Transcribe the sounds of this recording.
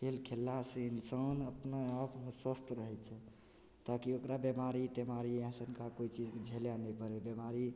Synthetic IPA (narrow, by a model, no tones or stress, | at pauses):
ɦelkʰelːaseinsənəpnaəpsəst̪ɾəɦɛt͡ʃʰɛ | t̪akiokɾabemaɾit̪emaɾiãsənkakoit͡ʃid͡ʒked͡ʒʱeljanəpəɾebjemaɾi